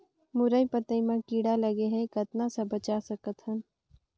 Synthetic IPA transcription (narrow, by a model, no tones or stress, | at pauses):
mʊɾəjpət̪əimãkiːɽaləɡeɦɛkət̪nasə̃bət͡ʃasəkət̪ɦən